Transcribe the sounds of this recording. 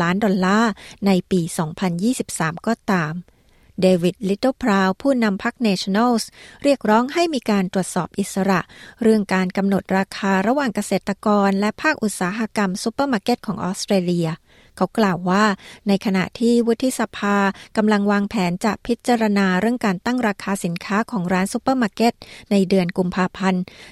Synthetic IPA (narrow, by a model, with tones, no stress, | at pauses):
aː˦˥ndɔ˧nlaː˥˩na˧jpiː˧sɔː˩˦ŋpʰa˧njiː˥˩si˨˩p̚saː˩˦mkɔː˧˩t̪aː˧m | deː˧wi˨˩t̪̚li˦˥t̪o˥˩pʰɾaː˧wpʰuː˥˩na˧mpʰa˦˥k̚nɛː˧t͡ɕʰɔ˧na˥˩sɾi˥˩ək̚ɾɔː˦˥ŋɦa˥˩jmiː˧kaː˧nt̪ɾu˨˩ət̪̚sɔː˨˩p̚ʔi˨˩t̪̚sa˧ɾa˨˩ʔɾɯ˥˩əŋkaː˧nka˧mno˨˩t̪̚ɾaː˧kʰaː˧ɾa˧waː˨˩ŋka˧seː˨˩t̪ːa˧kɔː˧nlɛ˦˥pʰaː˥˩k̚ʔu˨˩t̪̚saː˩˦ɦa˧ka˧msu˧˦pəː˥˩maː˧ke˦˥t̪̚kʰɔː˩˦ŋʔɔ̰ː˦˥st̪ɾeː˧li˧ɐ | kʰa˦˥wklaː˨˩wːaː˥˩na˧jkʰa˧na̰˨˩ʔt̪ʰiː˥˩wu˦˥t̪ʰːi˧˥sa˧pʰaː˧ka˧mla˧ŋwaː˧ŋpʰɛː˩˦nt͡ɕa˨˩ʔpʰi˦˥t̪̚t͡ɕaː˧ɾa˧naː˧ɾɯ˥˩əŋkaː˧nt̪a˥˩ŋɾaː˧kʰaː˧si˩˦nkʰaː˦˥kʰɔː˩˦ŋɾaː˦˥nsu˧˦˥pːa˥˩maː˧ke˦˥t̪̚na˧jdɯ˧ənku˧mpʰaː˧pʰa˧n